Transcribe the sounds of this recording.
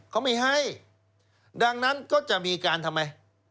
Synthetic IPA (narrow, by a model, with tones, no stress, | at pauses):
kʰa˦˥˩wma˥˩jɦa˥˩j | da˧ŋna˦˥nkɔː˥˩t͡ɕa˨˩ʔmiː˧kaː˧nt̪ʰa˧mːa˧j